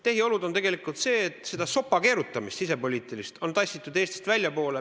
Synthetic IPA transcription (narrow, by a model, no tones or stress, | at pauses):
t̪e̞ɦio̞lud̪o̞nt̪e̞ɡe̞likːˑult̪se̞ːet̪se̞d̪ɑso̞pːɑke̞ːɾut̪ːˑɑmist̪sis̬e̞po̞lʲiːt̪ːˑilist̪o̞nt̪ɑsʲːit̪ːˑud̪eːst̪i̥st̪vælʲjɑpo̞ːle